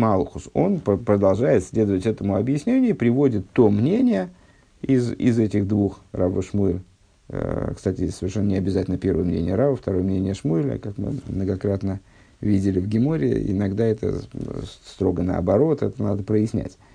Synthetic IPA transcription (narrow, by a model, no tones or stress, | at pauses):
malˠxʊso̞npəpɾəd̪ɐlˠʐajɪt̪sʲlʲe̞d̪əvətʲɛt̪əmʊɐbjɪsʲnʲenʲɪjʊipɾʲɪvo̞dʲɪt̪ːomnʲenʲɪjə | ɪzɪ̰zɛtʲɪɣd̪vuxravəʂmuɪlʲ | kst̪atʲɪsəvʲɪrʂɛnːənʲɪɐbʲɪzatʲlʲnəpʲe̞ɾvəjəmnʲḛnʲɪjəɾavəft̪ɐɾo̞jəmnʲenʲɪjəʂmuɪlʲə̰kakmɨ̰mnəɡɐkɾat̪nə | vʲidʲɪlʲɪvɡʲɪmoɾʲɪɪ̰ɪ̰naɡd̪aɛt̪ə̰ | st̪ɾo̞ɡənəɐ̰bɐɾo̞t̪ɛt̪ənad̪əpɾəjɪsʲnʲæ̰tʲ